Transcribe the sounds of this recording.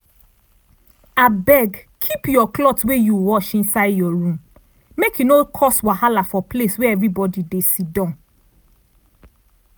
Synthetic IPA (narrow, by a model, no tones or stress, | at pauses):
abɛɡkʰipjɔklɔtwejuwɔʃĩnsaɪdjɔɹũm | mekʰjunokʰɔswahalafɔplesweɛvɹibɔdidesidɔ̃n